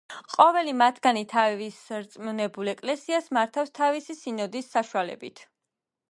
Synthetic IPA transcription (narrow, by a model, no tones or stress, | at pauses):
qʼɔvɛlimat̪ʰɡ̥anit̪ʰavisɾt̪sʼmunɛbulɛkʼlɛsiasmaɾt̪ʰafst̪ʰavisisinɔd̪isːaʃualɛ̰bit̪ʰ